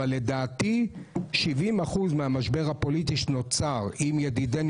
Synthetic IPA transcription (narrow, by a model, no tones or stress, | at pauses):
alːe̞daːt̪iʃivimaχuzmeamaʃbe̞ʁhapo̞lit̪iʃnot͡saʁimjediden